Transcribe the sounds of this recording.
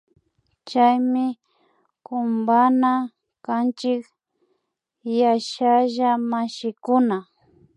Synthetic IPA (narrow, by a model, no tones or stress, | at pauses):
t͡ʃajmɪ | kʊmbana | kant͡ʃɪk | jaʃaʒamaʃɪkʊna